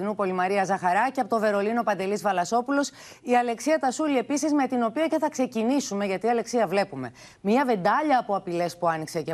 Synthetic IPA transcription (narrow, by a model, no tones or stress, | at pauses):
inupo̞limɐɾiɐzɐxɐɾɐciɐpot̪ove̞ɾo̞lino̞pɐnd̪e̞lizvɐlɐso̞pulo̞s | iɐle̞ksiɐt̪ɐsulie̞pisizme̞t̪ino̞piɐce̞θɐkse̞cinisume̞ʝɐt̪iɐle̞ksiɐvle̞pume̞ | miɐve̞nd̪ɐʎɐːpo̞ɐpile̞spuɐniksece